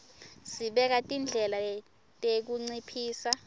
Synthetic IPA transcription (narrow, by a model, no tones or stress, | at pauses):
siɓɛk̬atʼind͡ɮʱɛla | tʼek̬uŋ͡ǀipʰiːsa